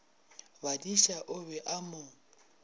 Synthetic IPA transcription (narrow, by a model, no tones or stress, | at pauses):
badiʃaʔʊbɛʔamʊ